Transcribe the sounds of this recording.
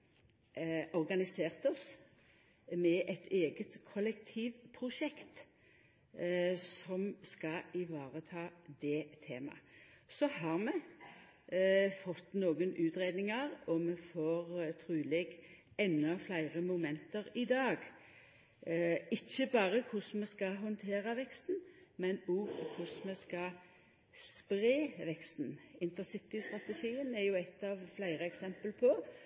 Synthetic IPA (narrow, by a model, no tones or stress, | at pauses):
ʔɔʁɡɑnɪseːʁt̪ɔs | mɛʔɛt̪ʰeːɡət̪kʰɔlɛkt̪ʰiːʋpʰʁʊʃɛkt̪ | sɔmskɑɪʋɑːʁət̪ʰɑːd̪ɛt̪ʰeːmɑ̰sɔhɑʁmɛ | fɔt̪noːɡənʉːt̪ʁeːd̪nɪŋəʁɔmɛfoːʁt̪ʰɾʉːlɛɡ | ɛnːɑflæɪʁəmʊmɛnt̪əɾɪd̪ɑːɡ | ɪçːəbɑːʁəkʰʊsmɛskɑɦɔnt̪ʰeːʁɑʋɛkst̪n̩mɛnʊkʰʊsmɛskɑ | spɾeːʋɛkst̪n̩ɪnt̪əsɪt̪ɪst̪ʁɑt̪əʃiːənɛɾjʊɛt̪ːɑʋflæɪʁəɛksɛmpəlpʰɔ